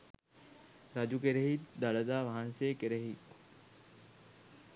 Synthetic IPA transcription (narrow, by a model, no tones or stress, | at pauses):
ɾad͡ʒukeɾeɦit̪d̪aləd̪aːʋaɦansekeɾeɦit̪